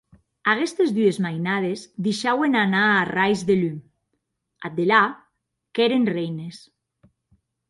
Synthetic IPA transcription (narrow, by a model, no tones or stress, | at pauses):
aɣest̪ezðyezmajnað̞ezðiʃawenanaːrajzðelym | a̰d̪ela | keɾenrejnes